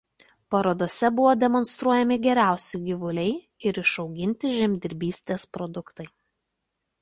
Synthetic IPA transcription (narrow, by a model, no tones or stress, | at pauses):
pɐɾoːd̪oːsʲɛbʊʋoːd̪ʲɛmɔnst̪ɾuɔjɛmʲɪɡʲɛɾʲæˑʊsʲɛɪɡʲɪʋʊlʲɛɪ | ɪɾɪʃɒʊɡʲɪnʲt̪ʲɪʒʲɛmʲd̪ʲɪɾʲbʲiːsʲt̪ʲeːspɾɔd̪ʊkt̪ɐɪ